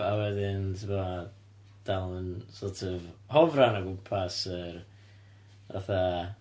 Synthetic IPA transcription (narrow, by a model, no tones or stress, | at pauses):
awɛðɪntʰɪma | d̥alˠənsɔrtʰɔvhɔvranaɡʊmpʰasər | va̰θa